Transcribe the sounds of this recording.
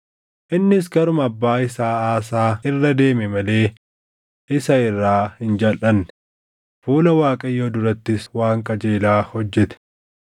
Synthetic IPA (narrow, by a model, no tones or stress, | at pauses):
ʔɪnːɪs̬ɡɐɾʊmɐbːaːɪsaːaːsaːɪrːɐd̪e̞ːmɛmɐle̞ː | ʔɪsɐɪrːaːhɪnd͡ʒɐlʔɐnːɛ̥ | fuːlɐwaːkʼɐjːoːd̪ʊɾɐt̪ːɪswaːŋkʼɐd͡ʒe̞ːlaːhɔd͡ʒːɛt̪ɛ̥